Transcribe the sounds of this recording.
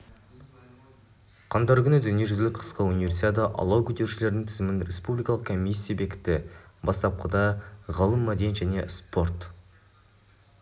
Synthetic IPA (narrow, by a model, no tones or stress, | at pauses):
qʰɑnd̪ɑɾkʰʲʏnɪd̪ʏnije̞ʒʏzlɪk̚qʰə̥sqəunijvʲe̞rsit̪ʲet̪̬əʔɑ̰lˠɑwkʲʏd̪e̞ɾʃɪle̞ɾɪd̪ɪŋt̪ʰɪzɪmɪnɾʲe̞spublʲˠijkɑlˠəqkʰo̞mʲijsʲːijabe̞kʲɪ̥t̪ɪbɑst̪ɑp̚qʰəd̪ɑʁɑlˠəmːæd̪ejnʒæne̞̰spo̞rt̪